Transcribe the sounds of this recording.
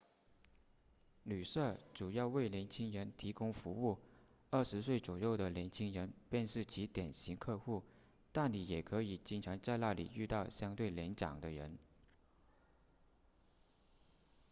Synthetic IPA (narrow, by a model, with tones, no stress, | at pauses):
ly˨˩ʂɤ˥˩ʈ͡ʂu˨˩jɑ˥˧ʊwe˥˩ɪljɛ˧˥nt͡ɕʰi˥ŋɻə˧˥nt̪ʰi˧˥kʊ˥ŋfu˧˥u˥˩ | ə˞˥˩ʂɻ̩˧˥s̬we˥˩ɪt͡sɔ˨˩jo˥˩ʊd̪ə˩ljɛ˧˥nt͡ɕʰi˥ŋɻə˧˥npjɛ˥˧nʂɻ̩˥˩t͡ɕʰi˧˥t̪jɛ˨˩nɕi˧˥ŋkʰɤ˥˧xu˥˩ | t̪a˥˩nni˨˥jɛ˨˩kʰɤ˧˥i˨˩t͡ɕi˥nʈ͡ʂʰɑ˧˥ŋt͡sa˥˧ɪla˥˩lḭ˨˩y˥˧t̪ɑ˥˩ʊɕjɑ˥ŋt̪we˥˩ɪljɛ˧˥nt͡ɕjɑ̰˨˩ŋd̪ə˦ɻə̰˧˥n